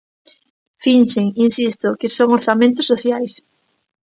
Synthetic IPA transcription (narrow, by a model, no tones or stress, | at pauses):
finʃeŋinsist̪ʊkɪsoŋoɾθamẽnt̪ʊsːoθjajs